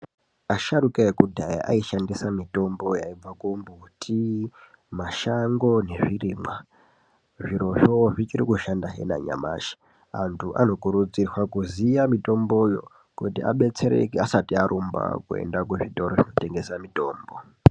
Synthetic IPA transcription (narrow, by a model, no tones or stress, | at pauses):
aʃaɾukeekudʱajaʔaiʃandisamito̞mbo̞jaib͡vakumbutʰi | maʃaŋɡo̞ne̞ʐiriːmwa | ʐiɾo̞ʐoʐit͡ʃiɾikuʃandaɦḛna̰ɲa̰ma̰ːʃi̥ | antʰuʔa̰no̞kuɾud͡zirwakuzijamito̞mbo̞jo̞̰ | kutia̰ɓe̞t͡se̞ɾḛkeasatiaɾʔumba̰kue̞̰ndak̬uʐito̞ɾoʐino̞te̞ŋɡe̞samito̞ːmbo̞